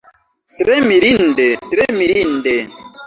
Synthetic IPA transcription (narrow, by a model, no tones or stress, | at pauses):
tɾɛmiɾindetɾemiɾin̩de